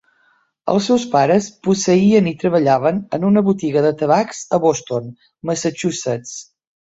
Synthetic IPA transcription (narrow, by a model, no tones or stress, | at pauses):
ə̰lˠsɛwspaɾəspusəiənit̪ɾəβəʎaβənənunəβut̪iɣəðət̪əβakz̥əβost̪on | məsət͡ʃusət͡s